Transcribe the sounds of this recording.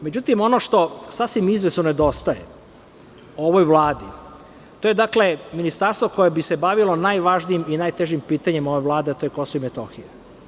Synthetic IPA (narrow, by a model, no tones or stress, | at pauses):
me̞d͡ʑut̪imo̞noʂt̪o̞safsʋimizʋe̞snoned̪o̞st̪aje | oʋo̞jʋlˠaːd̪i | t̪o̞je̞d̪akle̞minist̪aɾst̪ʋoko̞jebise̞baʋilo̞najʋaʒniiminajt̪eʒimpiːt̪aɲemoʋeʋlˠaːd̪eat̪ojeko̞soimet̪o̞xije